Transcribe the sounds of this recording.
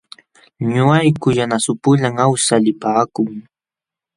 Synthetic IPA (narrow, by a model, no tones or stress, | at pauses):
ɲʊajkʊjanasʊpʊʎaŋawsalɪpaːkʊŋ